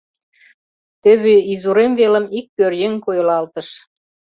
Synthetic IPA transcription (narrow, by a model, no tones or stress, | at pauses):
t̪ə̆βeizuɾemvelə̆mik̚pørjeŋkojəlɑlt̪ə̆ʃ